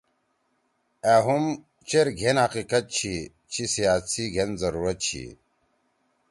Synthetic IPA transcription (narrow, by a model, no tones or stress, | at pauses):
aɦum | t͡ɕeɾɡʱenhɐqiqɐt̪̚t͡ɕʰi | t͡ɕʰisijaːsiɡʱenzɐɾuːɾɐt̪̚t͡ɕʰḭ